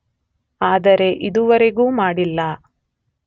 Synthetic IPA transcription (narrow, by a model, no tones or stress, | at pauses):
aːd̪ɐɾe̞ʔid̪uʋɐɾeɡuːmaːɽilːɐ